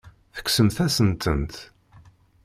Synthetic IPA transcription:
θə̥ksəmθæsənt̪ənt̪

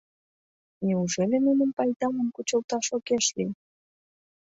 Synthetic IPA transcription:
nʲeuʒelʲemunə̆mpɑjd̪ɑmə̆mkut͡ɕə̆lˠt̪ɑʃokeʃli

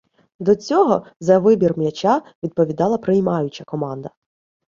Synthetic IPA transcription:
d̪ɔt͡sʲɔɦɔzɐʋɪbʲirmjɐt͡ʃɑʋʲid̪̚pɔʋʲid̪ɑlˠɐpɾɪjmɑjʊt͡ʃɐkɔmɑnd̪ɐ

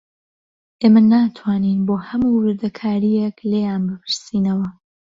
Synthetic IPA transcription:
ʔeːmanaːt̪ʰwaːniːnboːhɐmuwɨɾd̪ɐkʰaːɾijeklejaːnbɨpʰɨɾsiːnɐwɐ

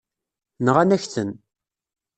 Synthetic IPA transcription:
nəʁanæçθən

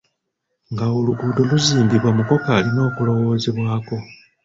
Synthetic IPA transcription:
ŋɡaoluɡuːdo̞luziːmdiβwamuko̞kaːlino̞ːkulo̞wo̞ːze̞βwaːko̞

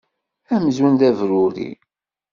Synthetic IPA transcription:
æməzwənd̪ævɾʊɾḭ

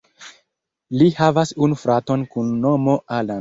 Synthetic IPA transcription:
lihavasunufɾato̞nkunːo̞mo̞ʔala

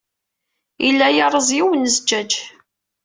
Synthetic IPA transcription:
ilːæjɑɾˤəzˤjiwənəzd͡ʒːæd͡ʒ

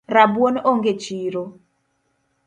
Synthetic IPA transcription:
rabwonoŋɡet͡ʃiɾo

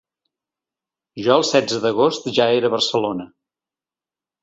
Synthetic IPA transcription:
ʒɔəlˠsɛd͡zəðəɣost̪ʒaeɾəβərsəlonə

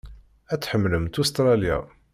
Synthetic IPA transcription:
æt͡sːħəmːləmt̪ust̪ɾˤɑlja̰

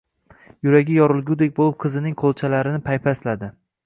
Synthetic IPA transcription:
jʊɾaɡʲɪjɒɾɪlˠɡʲud̪ek̚ʲbolˠɪp̚qʰɨzɪnɪŋqʰolˠt͡ʃʰalaɾɪnɪpʰajpʰaslad̪ɪ

